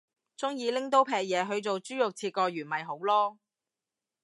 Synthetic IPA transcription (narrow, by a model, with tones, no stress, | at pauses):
t͡sʊ˥ŋjiː˨˧lɪ˥ŋt̪̬o˥wpʰɛː˧k̚jɛː˨˧ɦɵ˨˧ɥt͡so˨wt͡syː˥jʊ˨k̚t͡sʰiː˧t̚kɔː˧ɥyː˨˩nmɐ˨jɦo˨˥wlɔː˥